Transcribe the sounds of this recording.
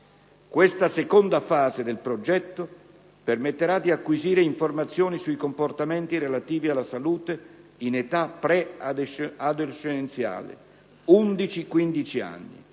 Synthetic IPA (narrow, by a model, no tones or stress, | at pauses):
kwest̪asekond̪afaːzed̪elpɾod͡ʒɛt̪ːo | permet̪ːeɾad̪iakːwiziːɾeiɱformat̪sːjɔːnisuikomport̪amɛnt̪iɾelat̪iːvialːasaluːt̪einet̪apːɾɛ | ad̪ot͡ʃːenent̪sja̰ːlɪ̰ | und̪it͡ʃikwind̪it͡ʃia̰nːḭ